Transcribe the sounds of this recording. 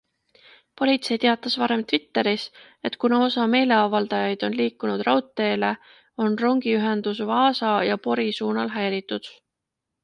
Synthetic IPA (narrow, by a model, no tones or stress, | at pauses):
po̞lʲit̪se̞jt̪eɑt̪ːˑɑsvɑɾe̞mt̪vit̪ːe̞ɾis | e̞t̪ːˑkunɑo̞sɑme̞ːle̞ɑvɑld̪̥ɑjɑjd̪̥o̞nliːkːˑunud̪̥rɑwt̪ːˑe̞ːle̞ | o̞nro̞ŋɡ̥iyɦe̞nd̪̥usvɑːsɑjɑpo̞ɾisuːnɑlɦæjɾit̪ˑːud̪̥